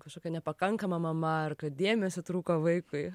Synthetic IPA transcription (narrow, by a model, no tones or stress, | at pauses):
kɐʃkoːkʲɛnʲɛpɐkɐŋkɐmɐmɐmɐɐrkɐtd̪ʲeːmʲɛsʲot̪ɾuːkoʋɐɪkʊɪ